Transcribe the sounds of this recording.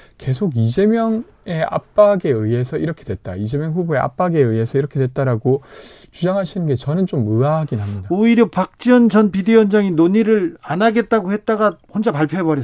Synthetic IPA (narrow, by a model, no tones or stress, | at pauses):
ke̞sʰoɡid͡ʑe̞mjʌŋ | e̞a̰p̚p͈aɡe̞ɯe̞sʰʌiɾʌkʰe̞dwe̞t̚t͈aid͡ʑe̞mjʌŋɸuboe̞ʔa̰p͈aɡe̞ɯe̞sʰʌiɾʌkʰe̞dwe̞t̚t͈aɾaɡot͡ɕud͡ʑaŋɦaɕʰinɯnɡe̞t͡ɕʌnɯnt͡ɕomɯaɦaɡinɦamɲidaoiɾjʌpak̚t͡ɕ͈iʌnd͡ʑʌnpidejʌnd͡ʑaŋinoɲiɾɯɭanaɡe̞t̚t͈aɡohe̞t̚t͈aɡahond͡ʑapaɭpʰjoebʌɾi